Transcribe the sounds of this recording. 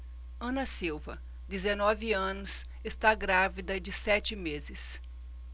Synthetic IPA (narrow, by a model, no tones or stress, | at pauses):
ɐ̃nɐsiwvɐ | d̪ezenɔvɪɐ̃nʊs | est̪aɡɾavid̪ɐd͡ʒɪsɛt͡ʃɪmezɪs